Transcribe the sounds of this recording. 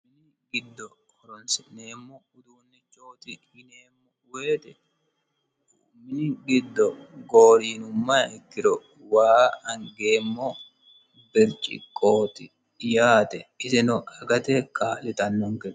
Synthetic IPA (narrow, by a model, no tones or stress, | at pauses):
mɪnɪɡɪd̪ːɔkɔɾɔnsɪneːmːoʊd̪uːnːɛt͡ʃʼoːt̪ɪ | ɪneːmːɔʊweːt̪ɛ | mːɪnɪɡɪd̪ːɔɡo̞ːɾiːnʊmːɐɪkːɪɾɔ | waːɐŋɡe̞ːmːoː | bɪɾt͡ʃʼɪ̰kʼːoːt̪ɪ | jaːt̪ɛɪsɪnʊɐɡɐt̪ɛkʰaːlɪt̪ɐnːɔŋkɛ